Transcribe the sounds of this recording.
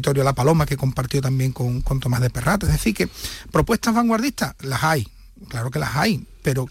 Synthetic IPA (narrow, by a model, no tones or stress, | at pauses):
t̪o̞ɾjolapalo̞make̞ko̞mpaɾt̪jot̪ambje̞ŋko̞ŋko̞nt̪o̞maɦðe̞pe̞rat̪oeɦðeθike̞pɾo̞pwe̞ht̪aɦβaŋɡwaɾðiht̪alasaj | klaɾoke̞la̰sajpe̞ɾo